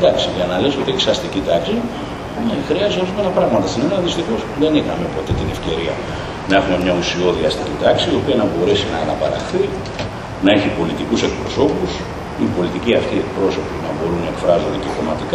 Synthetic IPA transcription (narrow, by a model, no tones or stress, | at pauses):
d̪ɐksiʝɐnɐle̞so̞t̪ieçi̥sɐst̪icit̪ɐksi | nexɾiɐzoɾizumenɐpɾɐɣmɐt̪ɐst̪inenɐðist̪ixo̞sðe̞nixɐme̞po̞t̪e̞t̪ine̞fce̞ɾiɐ | nɐe̞xume̞mɲɐusio̞ðiɐst̪icit̪ɐksiːo̞piɐnɐbo̞ɾe̞sinɐːnɐpɐɾɐ̰xθi | nɐe̞çipo̞lit̪ikuse̞k̚pɾo̞so̞pus | ipo̞lit̪iciɐft̪iek̚pɾo̞so̞pinɐbo̞ɾunnɐekfɾɐzond̪eceko̞mɐt̪ik